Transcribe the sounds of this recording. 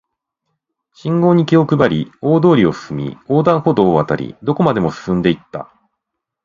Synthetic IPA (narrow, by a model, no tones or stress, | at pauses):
ɕĩŋɡo̞ːɲ̟ikʲio̞kɯ̟baɾʲio̞ːd̪o̞ːɾʲio̞sɨ̥sɨmʲḭo̞ːd̪ãɰ̃ho̞d̪o̞ːβat̪a̰ɾʲḭd̪o̞ko̞mad̪e̞mo̞sɨ̥sɨ̃nd̪e̞it̪ːa̰